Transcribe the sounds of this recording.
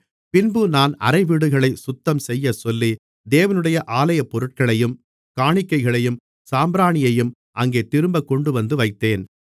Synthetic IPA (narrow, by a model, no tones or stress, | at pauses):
pɪnbɯnaːnɐ̰ɾɐɪʋiːɽɯɣɐɭɐɪsʊt̪ːɐmsɛjːɐsɔlːi | d̪eːʋɐnɯɽɐjɐʔaːlɐjɐpːɔɾɯʈ̚kɐɭɐjɯm | kaːɳɪkːɐɪɣɐɭɐjɯm | saːmbɾaːɳɪjɐjɯm | ʔɐŋɡeːt̪ɪɾɯmbɐkːɔɳɖɯʋɐnd̪ɯʋɐɪt̪ːeːn